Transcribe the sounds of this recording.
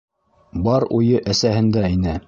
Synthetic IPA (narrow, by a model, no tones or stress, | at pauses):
bɑɾujɤʔæsæhɘ̆nd̪æinɘ